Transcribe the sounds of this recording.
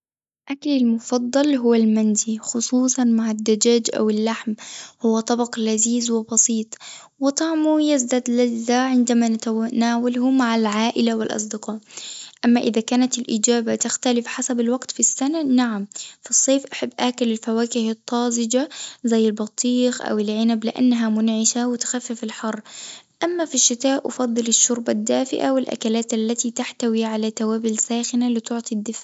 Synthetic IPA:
ʔaklalmʊfɑd̪ˤːɑlɦʊwːalmanzixʊsˤuːsˤɑnmaʕad̪ːad͡ʒaːd͡ʒʔa̰wɪlːaħmhʊwːat̪ˤɑbɑqlaziːzwɪbɑsiːt̪ˤ | wɪt̪ˤɑʕmujazd̪ad̪lazaʕɪnd̪amanaːwalhʊmaʕalʕaːʔɪlawɪlʔɑ̰sˤd̪ɪqɑːʔʔamːaʔɪðakaːnat̪ɪlʔɪd͡ʒaːbat̪ɪxt̪alɪfħasabalwaɡt̪fisːananaʕamfisˤːeːfʔaħabːʔaːkalɪlfawaːkɪhɨt̪ˤːɑːzɪd͡ʒazajːɪlbɑt̪ˤːiːxʔa̰wɪlʕɪnablɪʔa̰nːaɦamʊnʕɪʃawɪt̪xafːɪfɪlħɑrˤːʔamːafiʃːɪt̪aːʔʔɑ̰fɑðˤːɨlɪʃːʊɾbad̪ːaːfɪʔa̰wɪlʔa̰kalaːt̪alːat̪it̪aħt̪awiʕalat̪awaːbɪlsaːxɪnalɪt̪ʊʕt̪ˤid̪ːɪfʕ

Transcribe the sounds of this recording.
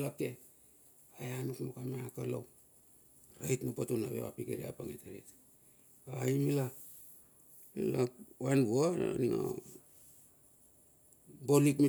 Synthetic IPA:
lap̚te | ajanukmokameakalo̰w | ɾajtmupatuna̰βḛβa̰pikeɾia̰paŋetaɾḛt | ajmila | milawanboaniŋa̰ | bolikmi

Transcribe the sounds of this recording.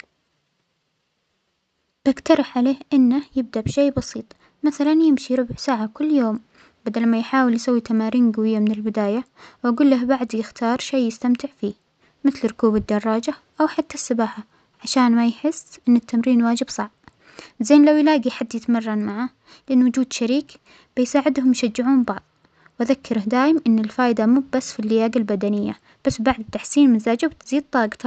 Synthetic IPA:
b̥aɡt̪ɑɾˤɑħʕaleːhʔɪnːajɪb̚d̪aʔbʃeːbɑsiːt̪ˤ | maθalanjɪmʃiɾʊbʕsaːʕakʊlːjoːm | bad̪almajħaːwɪljsawːit̪amaːɾiːnɡawɪjːamɪnɪlbɪd̪aːja | wʔaɡuːlːahbaʕd̪jɪxt̪ʰɑːɾˤʃeːɪst̪amt̪ɪʕfiː | mɪθlɾʊkuːbɪd̪ːɑrˤːɑːd͡ʒaʔawħat̪ːasːabaːħa | ʕaʃaːnmajħɪsːʔɪnːɪt̪ːamɾiːnwaːd͡ʒɪbsˤɑʕb̚ | zeːnlawjlaːɡiħad̪ːjɪt̪mɑrˤːɑnmaʕa | lɪʔanːwʊd͡ʒuːd̪ʃaɾiːk | b̥ɪjsaːʕɪd̪hʊmjʃad͡ʒːɪʕuːmbɑʕðˤ | wʔaðakʰːɑɾˤɑhd̪aːjɪmʔɪnːɪlfaːʔɪd̪amub̚basfilːɪjaːɡalbad̪anɪjːa̰ | b̥asːbaʕd̪ɪt̪ːaħsiːnmɪnzaːd͡ʒabt̪ziːd̪̚t̪ˤːɑːɡt̪

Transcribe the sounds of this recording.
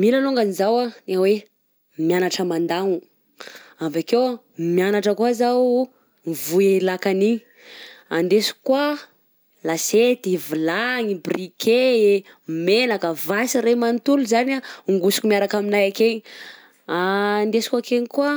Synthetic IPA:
milaluŋɡanizawanawe | mjanaʈ͡ʂəmand̪aŋu | avakew | mjanaʈ͡ʂəkwazaw | vuelakani | and̪esu̥kwa | laset̪ivilaŋibrike | menakəvasiremant̪uluzanaŋɡusu̥kʲumiaɾakaminajakeɲi | and̪esi̥kakeɲikua

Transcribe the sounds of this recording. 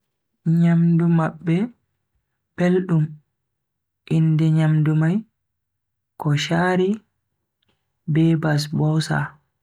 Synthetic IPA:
ɲamdumaɓːɛ | pelɗum | ʔindɛɲamdumaj | kɔʃaːɾi | bɛːbas̬bɔwsa̰

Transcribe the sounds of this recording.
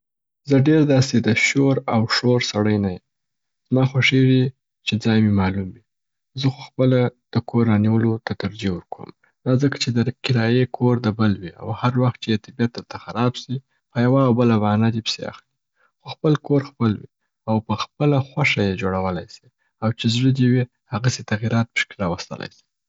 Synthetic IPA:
zəɖeɾd̪ɑsed̪əʃoɾawʂoɾsaɽəjnajem | z̥mɑxwaʂewi | t͡ʃed͡zɑjmemɑlumwi | zəxoxpəlad̪̥əkʰorːɑniwəlot̪at̪aɾd͡ʒewəɾkʰo̰m | d̪ɑzəkḁt͡ʃed̪əkɪɾɑjekʰoɾd̪əbəlwia̰whaɾwaxt̪̚t͡ʃejet̪ɪbjat̪̚d̪əɾt̪axaɾɑbsi | pəjawaːwbəlabanad̪epə̥sea̰xli | xoxpəlkoɾxpəlwḭ | awpəxpəlaxwaʃajed͡ʒoɽawəlajsi̥ | awt͡ʃezɽəd̪ewi | haɣaset̪aɣiɾɑt̪̚pə̥ʃkeɾɑwast̪ə̰la̰jsi̥

